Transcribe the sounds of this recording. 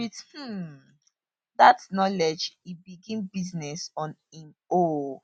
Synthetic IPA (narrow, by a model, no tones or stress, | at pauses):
with̩ | datnɔlɛd͡ʒibiɡĩnbiznɛsɔ̃nɛ̃n | o